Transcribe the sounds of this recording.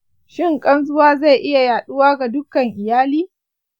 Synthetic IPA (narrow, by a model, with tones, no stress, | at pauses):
ʃɪ˦˨ŋkʼɐ˦nzʊ˦waː˦za˦˨jʔɪ˦ja˨jaː˨ɗʊ˦waː˦ɡa˨dʊ˦kɐ˨ŋʔɪ˨jaː˦liː˦